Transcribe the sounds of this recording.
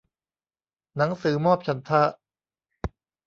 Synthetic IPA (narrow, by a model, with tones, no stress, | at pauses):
na˩˦ŋsɯː˩˦mɔː˥˩p̚t͡ɕʰa˧˦nt̪ʰa˥˩